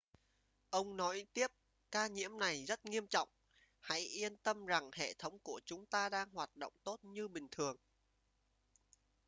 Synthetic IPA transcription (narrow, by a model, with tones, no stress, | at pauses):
ʔə˧wŋ͡mnɔ˨˦jt̪i˦˥əp̚ | kaː˧ɲḭ˧˥əmna˨˩jzə˦˥t̚ŋi˧əmt͡ɕɔ̰˧˨wŋ͡m | ha̰˧˥jʔi˧ənt̪ə˧mza˨˩ŋhḛ˧˨t̪ʰə˨˦wŋ͡mku˧˩ət͡ɕʊ˨˦ŋ͡mt̪aː˧ɗaː˧ŋhwaː˨˩t̚ɗo̰˧˨wŋ͡mt̪o˦˥t̚ɲɨ˧ɓï˨˩ŋ̟t̪ʰɨ˨˩əŋ